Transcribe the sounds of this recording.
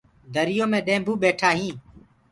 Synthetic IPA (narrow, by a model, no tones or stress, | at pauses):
d̪ʱəɾɪjõːmẽːɗẽːbʱuːɓeːʈʰaːɦĩː